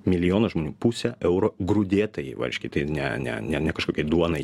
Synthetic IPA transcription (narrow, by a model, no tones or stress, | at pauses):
mʲɪlʲɪjoːnɐʒmoːnʲuːpusʲɛʔɛʊɾoɡɾʊd̪ʲeːt̪ɐjɛ̰ʋɐ̰ɾʲʃʲkʲɪt̪ɐɪnʲɛ̰nʲɛ̰nʲɛnʲɛkɐʃkoːkʲɛɪd̪uɔnɐɪ